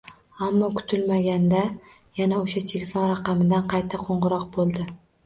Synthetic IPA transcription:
amːɒkʰʊ̥t̪ʰɪlmaɡʲand̪a | janaoʃat̪ʰe̞lefonɾaqɑmɪd̪anqʰɑjt̪ʰaqʰoɴʁɨɾɒq̚bolˠd̪ɪ

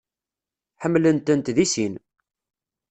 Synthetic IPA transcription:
ħəmːlənt̪ənt̪ðisin

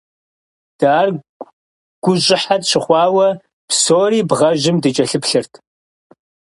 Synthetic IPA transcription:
d̥aːr | ɡ̥ʷʊʑʼɪħadɕɪχʷɑːwɐ | psoːriːbʁɐʒɪmdɨt͡ʃʼɐɬɨpɬɨrtʰ

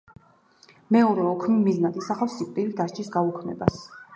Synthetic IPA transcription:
mɛɔɾɛɔkʰmimiznat̪ʼisaχafsikʼt̪ʼilid̪aʃt͡ʃʰisɡaukʰmɛ̰bas

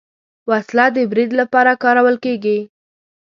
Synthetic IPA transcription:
waslad̪əbɾid̪lapɑɾakɑɾawəlkeɡi

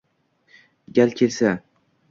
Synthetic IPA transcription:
ɡʲalkʲʰelsa

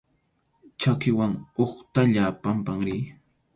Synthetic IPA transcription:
t͡ʃakɪwaŋoχt̪aʎapampaŋɾiː

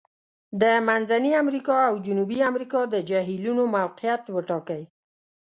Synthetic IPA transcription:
d̪əmanzaniamɾikɑawd͡ʒunubiamɾikɑd̪əd͡ʒaɦilunomawqijat̪wəʈɑkəj

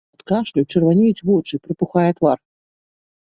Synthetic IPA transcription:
ɐt̪kaʂlʲut͡ʂɨrvanʲejut͡sʲvɔt͡ʂɨpɾɨpuxajɛt̪var

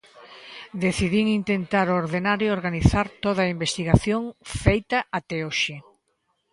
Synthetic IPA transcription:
d̪eθiðiŋint̪ent̪aɾooɾðenaɾjooɾɣaniθaɾt̪oð̞ɐaimbest̪iɣaθjoŋfejt̪ɐʔat̪ɛoʃɪ

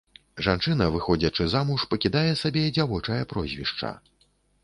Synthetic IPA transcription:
ʐant͡ʂɨn̪ɐvɨxɔd͡zʲɐt͡ʂɨzamuʂpɐkʲid̪ajɛsabʲɛd͡zʲavɔt͡ʂɐjɐpɾɔzʲvʲḭʂt͡ʂɐ̰

